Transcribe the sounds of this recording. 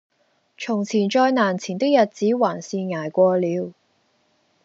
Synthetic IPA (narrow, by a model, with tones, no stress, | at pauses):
t͡sʰʊ˨˩ŋt͡sʰiː˨˩nt͡ʃɔː˧jnaː˨˩nt͡sʰiː˨˩nt̪ɪ˥k̚jɐ˨t̚t͡siː˨˥waː˨˩nsiː˨˧ŋaː˨˩jkʷɔː˧liː˨˧w